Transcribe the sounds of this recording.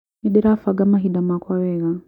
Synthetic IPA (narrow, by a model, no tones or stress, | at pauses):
niɗɛɾafaɡamaɦiɗamakwawɛɣa